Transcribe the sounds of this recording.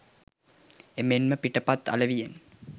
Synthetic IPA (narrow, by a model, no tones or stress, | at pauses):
emenməpiʈəpat̪ːa̰ləʋijen